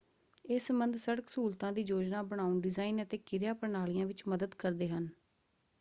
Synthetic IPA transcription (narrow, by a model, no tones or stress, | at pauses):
ɪsmənd̪səɽəksuːlt̪ãːd̪iːd͡ʒoːd͡ʒnaːbəɽ̃aːuɳɖɪzaːiːnət̪eːkɪɾjaːpəɾɳaːlijãːʋɪt͡ʃməd̪əd̪kəɾd̪eːɦən